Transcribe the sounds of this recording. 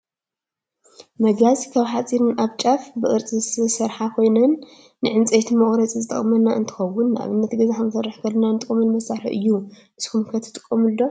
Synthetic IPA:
mɐɡazikʰaβħat͡sʼiɾɨnʔaβt͡ʃʼafbɨʔʼɨɾt͡sʼizsɨsɐɾħakʰo̞jnɐnː | ɨʕɨnt͡sʼet̪ʰimɐχʼɾɐt͡sʼizɨt̪ʼɐχʼmɐnːaʔɨ̰nt̪ʰɨ̥xɐwːʊnːʔa̰βɨnːɐt̪ɡɐzaħɐmsɐrːɨħkʰɐlːɐnant̪ʼɨkʼɐmɨnmɐsaħħɨ̰ʔɨ̰jːu | ʔɨskumkʰɐt̪ʰɨ̥t̪ʼɨkʼːɐmɨldo

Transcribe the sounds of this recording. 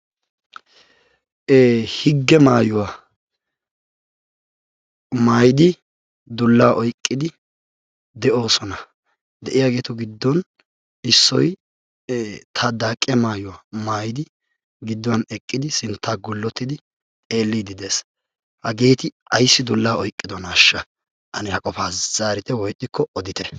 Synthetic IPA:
hɪɡːɛmaːjʊwa | maːjɪd̪ɪ | d̪ʊlːaːʔɔjkʼːɪd̪ɪ | d̪ɛʔo̞ːsɔnɐ | d̪ɛʔɪjaːɡe̞ːt̪ɔɡɪd̪ːɔn | ɪsːɔj | t̪ʰɐd̪aːkʼːɪjɐmaːjʊwamaːjɪd̪ɪ | ɡɪd̪ːɔwɐnɛkʼːɪd̪ɪsɪnt̪ːaːɡʊlːɔt̪ːɪd̪ɪ | e̞ːlːiːd̪ɪd̪e̞ːs | hɐɡe̞ːt̪ɪɐjsːɪd̪ʊlːaːɔjkʼːɪd̪ɔnaʃːɐ | ʔɐnɪhɐkʼɔfaːz̥aːɾɪt̪ɛwɔjt̪ʼːɪkːɔɔd̪ɪt̪ɛ̥

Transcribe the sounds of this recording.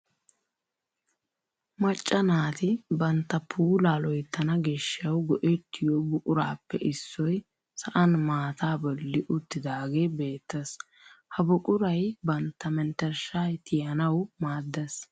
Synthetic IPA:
mɐt͡ʃʼːɐnaːt̪ɪbɐnt̪ːɐpʰuːlaːlɔjt̪ːɐnɐɡeʃːɐwɡɔʔɛt̪ʰːɪjɔbʊkʼʊɾaːpːɛʔɪsːɔj | sɐʔɐnmaːt̪aːbɔlːɪʔʊt̪ːɪd̪aːɡeːbe̞ːt̪ːɐs | hɐbʊkʼʊɾɐjbɐnt̪ːɐmɛnt̪ɛɾʃaːjt̪ʰɪjɐnɐwmaːd̪ːɛs

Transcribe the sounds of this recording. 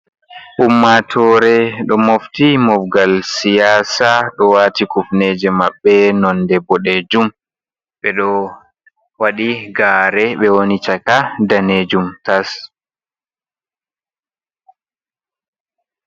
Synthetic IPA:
ʔumːatʰɔːɾɛɗɔmoftimɔfɡalsijaːsaɗɔwatikufnɛːd͡ʒɛmaɓːɛnɔndɛbɔɗeːd͡ʒum | ɓɛɗɔ | waɗiɡaːɾɛɓɛwonit͡ʃakadaned͡ʒumtas

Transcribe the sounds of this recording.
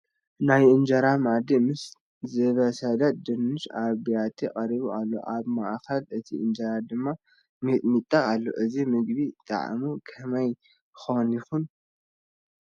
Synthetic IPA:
najʔɨnd͡ʒɐɾamaʕd̪imɨs | zɨβɐsɐd̪at̪̚d̪ɨnːɨʃaβijat̪ʰikʼɐɾiβuʔalːo̰ʔaβmaʔxɐlɨt̪ʰiʔɨnd͡ʒɐɾad̪ɨmːa | mɨt̪ʼmit̪ʼːaːlːo̞̰ʔɨzimɨɡβit̪ʼa̰ʕmukʰɐmɐj | xonjɪxun

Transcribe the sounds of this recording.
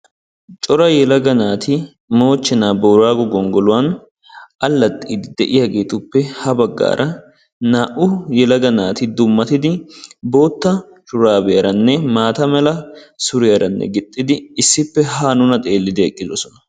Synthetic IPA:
t͡ʃʼɔɾɐjɛlɐɡɐnaːt̪ʰɪ | mo̞ːt͡ʃːɛnaːboːɾaːɡɔɡɔŋɡɔlʊwɐn | ʔɐlːɐt̪ʼːiːd̪ɪd̪ɛʔɪjɐɡe̞ːt̪ʊpːɛhɐbɐɡːa̰ːɾʔɐ | naːʔʊjɛlɐɡɐnaːt̪ɪd̪ʊmːɐt̪ɪd̪ɪbo̞ːt̪ːɐ | ʃʊɾaːbɛjɐɾɐnːɛmaːt̪ɐmɛlɐsʊɾɪjɐɾɐnːɛ̰ɡɪt̪ʼːɪd̪ɪːsːɪpːɛɦaːnʊnɐt̪ʼeːlːɪd̪ɪɛkʼːɪd̪ɔsɔnɐ̥

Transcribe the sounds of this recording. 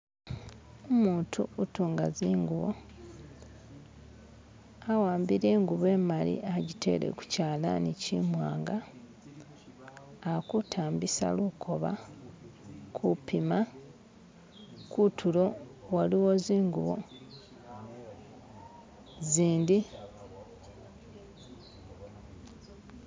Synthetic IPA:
omuːtʰuutuːŋɡaziːŋɡuβo̰ | awaːmbiɾe̞ːŋɡuβe̞malḭʔaɟitʰe̞̰ɾḛku̥caːla̰nicimwa̰ːŋɡa | kutʰaːmbisa̰lukʰo̞βa̰ | kʰupima | kutʰulo̞waliwo̞ziːŋɡuβo̞̰ | ziːndi

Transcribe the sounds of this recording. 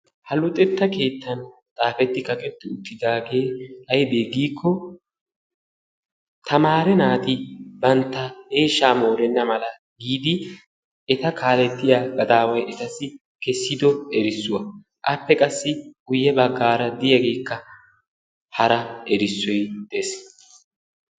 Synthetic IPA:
hɐlʊt̪ʼɛt̪ːɐke̞ːt̪ːɐnt̪ʼaːfɛt̪ːɪkɐkʼɛt̪ːɪʊt̪ːɪd̪aːɡe̞ːhɐjb̪eːɡiːkʰːɔ | t̪ʰɐmaːɾɛnaːt̪ɪbɐnt̪ːɐhe̞ːʃːaːmoːɾɛnːɐmɐlɐ | ɡiːd̪ɪ | ɛt̪ɐkʰaːlɛt̪ːɪjaːɡɐd̪aːwɐjɛt̪ɐsɪ | kɛsːɪd̪ɔɛɾɪsːʊwɐ | ʔɐpːɛkʼɐsːɪɡ̥ʊjːɛbɐɡːaːɾɐd̪ɪjɐɡe̞ːkːɐ | hɐɾɐɛɾɪsːɔjd̪̥ɛs

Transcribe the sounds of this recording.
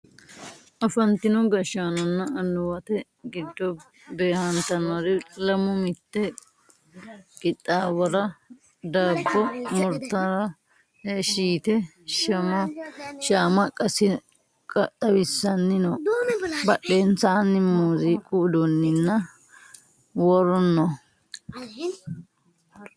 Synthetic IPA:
ʔɐfɐnt̪ɪnɔɡɐʃaːnɔnːɐɐnːʊwɐt̪ɛ | ɡɪd̪ːɔ | be̞ːhɐnt̪ɐnɐɾɪlɐmʊmɪt̪ːɛ | ɡʼɪt̪ʼːaːwɐɾɐ | d̪aːbːɔmʊɾt̪ːɐɾɐ | hʃiːt̪ɛ | ʃɐmɐʃaːmɐkʼɐsɪ | kʼɐt̪ʼːɐwɪsːɐnːɪnɔbɐɗːeːnt͡saːnːɪmuːzɪkʼʊd̪ɔnːɪnːɐ | wɔɾɔnːɔ

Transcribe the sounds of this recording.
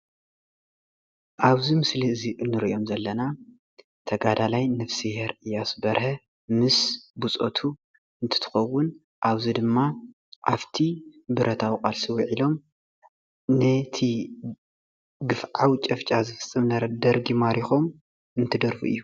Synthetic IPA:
ʔaβzimɨsliɨziʔnːɨɾiʔo̞mzɐlːɐna | t̪ʰɐɡad̪alajnɐfsiheɾɨjasbɐɾhɐ | mɨsbut͡sʼo̰t̪ʰu | ɨnt̪ʰɨ̥t̪ʰɨ̥xɐwːʊn | ʔaβzid̪ɨmːa | ʔaft̪ʰibɨɾʔɐt̪ʰawkʼalsɨwiʕilo̞m | nɨt̪ʰi | ɡɨfʕawt͡ʃʼɐft͡ʃʼazɨfɨt͡sʼːɨmnɐɾɐd̪ɐɾɡimaɾixo̞m | ɨnt̪ʰɨd̪ɐɾfuɨ̰jːu

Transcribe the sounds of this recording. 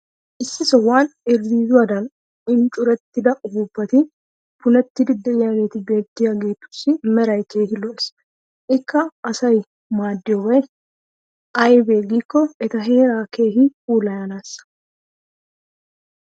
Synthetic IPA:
ʔɪsːɪsɔwaːnɪɾːiːzʊɐd̪ɐn | ɪnt͡ʃʼʊɾɐt̪ːɪd̪ɐʔʊbubːɐt̪ɪ | pʊnɐt̪ːɪd̪ɪd̪ːɛɪjaɡeːt̪ɪbe̞ːt̪ːɪjaɡe̞ːt̪ːʊ̥sːɪmɛɾɐjt̪eːhɪlɔs | ʔɪkːɐːsɐj | maːd̪ːɪɔwɐj | ʔɐjbeːɡikːɔɛt̪ɐɦeːɾaːke̞ːɦɪuːlɐjanasɐ̥

